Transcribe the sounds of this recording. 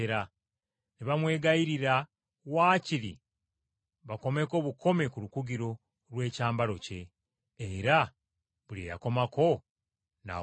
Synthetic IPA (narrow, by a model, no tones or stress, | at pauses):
eɾa | niβamwe̞ːɡaiɾiɾa | waːciɾḭ | βako̞me̞ko̞βuko̞me̞kulukuɡiɾo̞ | lwe̞ːcaːmbaɾo̞ce̞ː | ɾa | βulieja̰ko̞mako̞ | na̰